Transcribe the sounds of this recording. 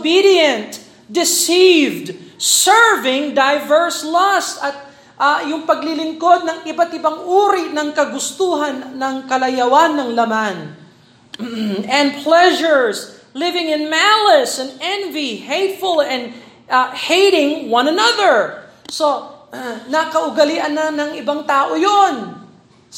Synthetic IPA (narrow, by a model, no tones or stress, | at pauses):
bidiɛ̃nt̪ | d̪ɪsivd̪sɛɹvɪ̃ŋd̪ajvɛɹslɔst̪ɐt̪̚ | ʔajʊŋpɐɡlɪlɪŋkod̪̚nɐŋɪbat̪ɪbaŋʔuːɾinɐŋkɐɡʊst̪uːɦanːɐŋkɐlɐjɐwanːɐŋlɐmãn | ɛ̃n̚pʰlɛʒəɹs | lɪvɪ̃ŋɪ̃nmalɛsɛ̃nɛ̃nvihejt̪fʊlɛ̃nd̪ | hejɾɪ̃ŋwɐ̃nɐnɐðəɹ | so | nɐkɐʔʊɡɐliʔɐnːɐnɐŋɪbaŋt̪aːʔojon